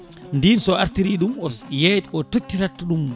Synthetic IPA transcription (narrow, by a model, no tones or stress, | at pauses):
ndinsɔaɾtiɾiɗumɔsjetɔtotːiɾatːuɗum